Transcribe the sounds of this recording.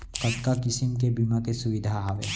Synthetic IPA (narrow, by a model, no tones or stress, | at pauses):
kɐʈkakɪsɪmk̬ebimakesʊʋɪd̪ʱaɦaʋe